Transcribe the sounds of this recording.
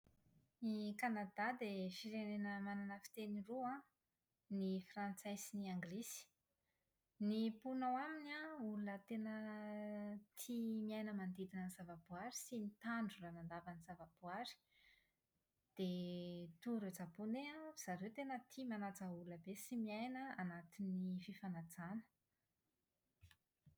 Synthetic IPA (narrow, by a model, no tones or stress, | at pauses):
nikanad̪ad̪efiɾenenəmananəfi̥t̪eniruã | nifrant͡sajsiniaŋɡlisi̥ | nipunawaminaulunət̪enə | t̪ʰimiajnəmand̪id̪inənzavabuaɾisinit̪aɳɖ͡ʐulanand̪avəniz̥avab̥uaɾi̥ | d̪̥et̪uɾet͡sapuneaz̥aɾewt̪enət̪ʰimanat͡sauluəbesimiajnəanat̪inififanad͡zanə̥